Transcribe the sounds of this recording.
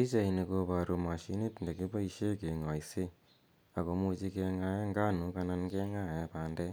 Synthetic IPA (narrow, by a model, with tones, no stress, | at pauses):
i˦t͡ʃa˨i˨ne˨ko˧βa˨ɾu˨ma˨ʃi˦ni˦tnde˨ki˦pa˦i˧ʃe˦ke˨ŋa˨i˨se˦ | a˨ko˨mu˧t͡ʃi˦ke˧ŋa˦je˦ŋɡa˦nu˨ka˧na˦nke˦ŋa˦je˦paː˨˦nde˦